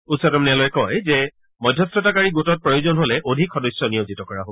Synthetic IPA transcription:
usɔtɔmnɛalɔjɛkɔjzɛ | mɔjdʱjɔstɔtakaɹiɡotɔt̚pɹojozɔnɦolɛʔodʱikʰxɔdɔjsɔnijozitɔkɔɹaɦob

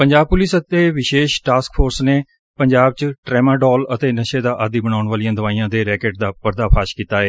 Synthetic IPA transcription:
pəɲd͡ʒaːb̚pʊlɪsət̪eːʋɪʃeːʃʈaːskpʰoːɾsneː | pəɲd͡ʒaːb̚t͡ʃʈɾɛːmaːɖɔːlət̪eːnəʃeːd̪aːʔad̪iːbəɽ̃aːʊɳʋaːlijãːd̪əʋaːiːãːd̪eːɾɛːkeːʈ̚d̪aːpəɾd̪aːpʰaːʃkiːt̪aːeː

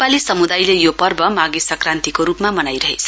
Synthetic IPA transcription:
palisʌmud̪ajlejopʌrbʌmaɡesʌkrant̪ikoɾupmamʌnajɾʌɦḛt͡sʰʌ̥

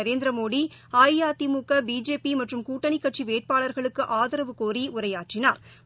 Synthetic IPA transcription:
ɐɾeːnd̪ɾɐmoːɽiaːjjaːt̪imuːkːɐbiːd͡ʒeːpimɐʈrɯmkuːʈːɐɳikːɐʈt͡ʃiʋeːʈ̚paːɭɐɾɣɐɭɯkːɯʔaːðɐɾɐʋɯkoːɾiʔʊrɐjaːʈrɪnaːɾ

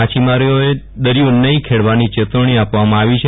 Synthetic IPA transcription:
at͡ʃimaɾijoe | d̪əɾijonəĩkʰeɽʋanit͡ʃet̪əɳ̃iapʋamãaʋit͡ʃʰe

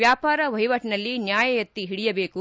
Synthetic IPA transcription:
jaːpaːɾɐʋɐɦiʋɐʈnɐlːinjaːjɐjɐt̪ːiɦiɽijɐbe̞ːku

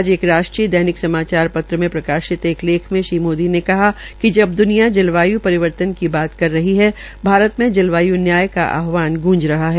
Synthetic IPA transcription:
d͡ʒeːkɾaːʃʈɾiːəd̪ɛɦːnɪksɐmaːt͡ʃaːɾpɐt̪ɾəmẽpɾɐkaːʃɪt̪eːkʰleːkʰmẽʃiːmoːd̪inekɐɦa | kid͡ʒɐb̚d̪ʊnijad͡ʒɐlʋaːjupɐɾɪʋəɾt̪ənkibaːt̪kɐɾːɐɦiɦɛ | bʱaːɾət̪mẽd͡ʒɐlʋaːjunjaːjka̰ʔa̰ːɦʋaːnɡũːd͡ʒɾɐɦaɦɛː

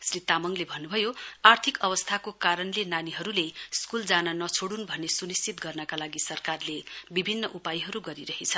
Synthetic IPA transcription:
srit̪amʌŋlebʱʌnːubʱʌjoart̪ʰikʌbʌst̪ʰakokaɾʌnlenaniɦʌɾuleskuld͡zanʌnʌt͡sʰoɽunbʱʌnːesunist͡sit̪̚ɡʌrnʌkalaɡisʌrkarlebibʱinːʌʔupajɦʌɾuɡʌɾiɾʌɦit͡sʰʌ

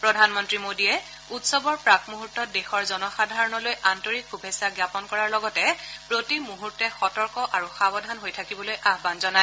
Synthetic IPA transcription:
pɹɔdʱanmɔntɹimodijɛ | utsɔbɔɹpɹakmuɦutːɔt̚dexɔɹzɔnɔxadʱaɹɔnɔlojʔantoɹikxubʱesaɡjapɔnkɔɹaɹlɔɡɔtɛpɹotimuɦuɹtɛxɔtɔɹkɔʔaɹuxabɔdʱanɦojtʰakibɔlojʔaɦbanzɔnaj

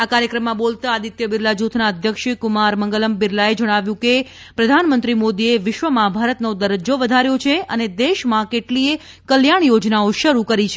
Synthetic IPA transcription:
akaɾjəkɾəmːãbolt̪aːd̪it̪jəbɪɾlad͡ʒut̪ʰnaəd̪ʱjəkʃkumaɾməŋɡələmbɪɾlaed͡ʒəɽ̃aʋjũke | pɾəd̪ʱanmənt̪ɾimod̪ieʋɪʃʋəmãbʱaɾət̪nod̪əɾəd͡ʒoʋəd̪ʱaɾjot͡ʃʰeəned̪eʃmãkeʈlie | kəljaɳjod͡ʒnaoʃəɾukəɾit͡ʃʰe

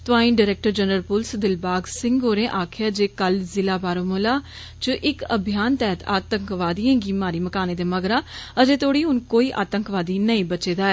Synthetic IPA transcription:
t̪ʊʋaːĩːnɖaːɾɛːk̚ʈəɾd͡ʒənɾəlpʊlsd̪ɪlbaːɡsɪ̃ŋɡoːɾẽːʔaːkʰɪjaːd͡ʒeːkəlzɪlaːbaːɾoːmolaː | t͡ʃəʔɪkəbʱɪjaːnt̪ɛːɦət̪a̰ːt̪əŋkʋaːd̪ijãːɡiːmaːɾiːməkaːneːd̪eːməɡɾãːəd͡ʒeːt̪ʰoːɽiːɦʊnkoːiːʔa̰ːt̪əŋkʋaːd̪iːnəĩːbət͡ʃeːd̪aːɛː

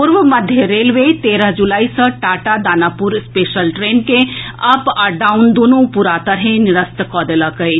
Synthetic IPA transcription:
pʊɾʋəməd̪ʱjeɾeːlʋet̪eːɾəɦd͡ʒulaːisə̃ʈaːʈad̪aːnaːpʊɾspeːʃəlʈɾeːnkeɐpaɖaːund̪oːnũpuɾaːt̪əɾɦẽnɪɾəst̪kɔːd̪eləkəe

